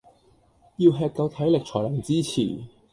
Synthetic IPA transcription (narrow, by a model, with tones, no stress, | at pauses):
jiː˧wɦɛː˧t̚kɐ˨˧wt̪ʰɐ˨˥jlɪ˨k̚t͡ʃʰɔː˨˩jlɐ˨˩ŋt͡siː˥t͡sʰḭː˨˩